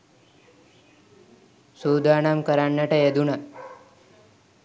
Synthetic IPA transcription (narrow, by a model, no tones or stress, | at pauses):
sud̪anamkəɾaɳːaʈejed̪una